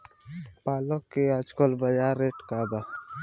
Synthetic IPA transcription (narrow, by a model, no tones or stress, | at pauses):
paːlokːead͡ʒkolbəjaːɾːeːʈkaːba